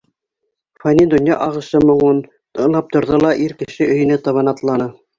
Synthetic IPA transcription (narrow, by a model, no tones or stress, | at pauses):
fɑnʲind̪ŏnjɑʔɑʁɤ̆ʃɤmŏɴun | ɤlˠɑp̚t̪ŏɾðolˠɑʔiɾkɘ̆ʃɘɵ̆jɘ̆nɘt̪ɑβɤnɑt̪lˠɑnɤ